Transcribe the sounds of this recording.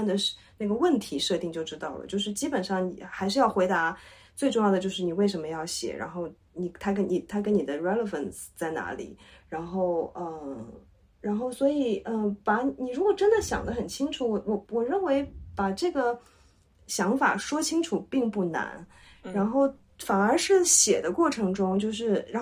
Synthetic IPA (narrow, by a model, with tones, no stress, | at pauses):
nd̪ə˩ʂ | na˥˩ɡə˩wə˥˩nt̪ʰi˧˥ʂɤ˥˧t̪i˥˧ŋt͡ɕjo˥˧ʊʈ͡ʂɻ̩˥t̪ɑ˥˩ʊlə̰˩t͡ɕjo˥˧ʊʂ̬ɻ̩˥˩t͡ɕi˥pə˨˩nʂɑ˥˩ŋnḭ˨˩xa˧˥ɪʂɻ̩˥˧jɑ˥˩ʊxwe˧˥ɪt̪a˧˥ | t͡swe˥˧ɪʈ͡ʂʊ˥˧ŋjɑ˥˩ʊd̪ət͡ɕjo˥˧ʊʂ̬ɻ̩˥˩ni˨˩we˥˩ɪʂə˧˥nmə˧jɑ˥˩ʊɕjɛ̰˨˩ɻa̰˧˥nxo˥˩ʊ | ni˨˩t̪ʰa˥k̬ə˥nni˨˩t̪ʰa˥kə˥nni˨˩d̪ə˦ɻɛ˥lə˨˧fə˨˩nst͡sa˥˩ɪna̰˧˥lḭ˨˩˦ɻa˧˥nxo˥˩ʊə˧˩ | ɻa˧˥nxo˥˩ʊswɔ˧˥i˨˩ə˧pa˧˥ni˨˩ɻu˧˥kwɔ˨˩ʈ͡ʂə˥nd̪ə˨ɕjɑ̰˨˩ŋd̪ə˦xə˨˩nt͡ɕʰi˥ŋʈ͡ʂʰu˨˧˥wɔ˨˩wɔ˨˩wɔ˨˩ɻə˥˩nwe˧˥ɪpa˨˩ʈ͡ʂɤ˥˩ɡə˩ | ɕjɑ˧˥ŋfa̰˨˩ʂwɔ˥t͡ɕʰi˥ŋʈ͡ʂʰu˨˩pi˥˧ŋpu˥˩na̰˧˥n | ɻa˧˥nxo˥˩ʊ | fa˨˩nə˞˧˥ʂɻ̩˥˩ɕjɛ̰˨˩d̪ə˦kwɔ˥˩ʈ͡ʂʰɤ˧˥ŋʈ͡ʂʊ˥ŋt͡ɕjo˥˧ʊʂ̬ɻ̩˥˩ɻa˧˥